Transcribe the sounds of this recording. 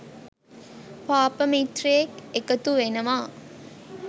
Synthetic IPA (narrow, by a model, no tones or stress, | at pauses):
paːpəmit̪rijekekət̪uʋenəʋaː